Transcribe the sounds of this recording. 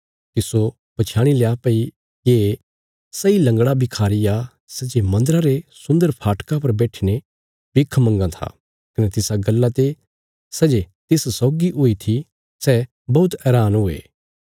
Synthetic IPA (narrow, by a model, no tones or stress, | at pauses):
t̪ɪso | b̥ɐt͡ʃʰaːɽ̃ileapəi | jeː | sɐilɐ̃ŋɡɽabʱikʰaːɾija | sɛd͡ʒemɐ̃nd̪əɾaɾesʊ̃nd̪əɾpʰaːʈkapɐɾbɛːʈʰine | bɪkʰmɐ̃ŋɡãt̪ʰa̰ | kɐnet̪ɪsaɡɐlːat̪e | sɛd͡ʒet̪ɪssɔːɡiʔʊit̪ʰi | sɛ | bɐʊt̪ɛːɾaːnɦʊḛː